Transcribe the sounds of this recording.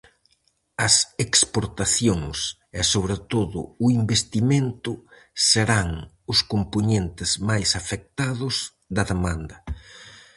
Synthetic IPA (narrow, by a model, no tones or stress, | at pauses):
ɐsekspoɾt̪aθjoŋs | ɛsoβ̞ɾet̪oðʊ̰ːimbest̪iment̪ʊ | seɾaŋ | ʊskompoɲent̪ɪzmajsafek̚t̪aðʊs | ðɐðemand̪ɐ